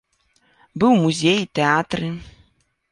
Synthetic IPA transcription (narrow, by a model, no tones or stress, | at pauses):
bɨwmuzʲejit̪ɛat̪ɾɨ